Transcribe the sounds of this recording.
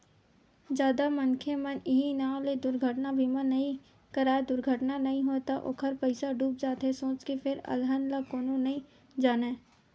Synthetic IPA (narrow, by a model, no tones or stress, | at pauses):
d͡ʒjaːd̪amɐŋkʰemənɪɦinãːled̪ʊɾɡʱəʈnabʱimənɐɦĩ | kɐɾaːed̪ʊɾɡʱəʈnanɐɦĩɦoːt̪aʔo̰ːkʰəɾpəɪsaɖʱuːp̚d͡ʒaːt̪ɦesõːt͡ʃkefʰɪɾɐ̰lɦənlakoːnõnɐɦĩ | d͡ʒaːneː